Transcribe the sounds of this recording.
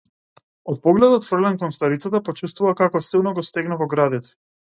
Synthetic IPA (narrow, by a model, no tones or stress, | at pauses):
ɔt̪̚pɔɡlɛd̪ɔt̪fr̩lɛnkɔnst̪aɾit̪sat̪apɔt͡ʃust̪vuvakakɔsilˠnɔɡɔst̪ɛɡnavɔɡɾad̪ɛt̪ɛ̥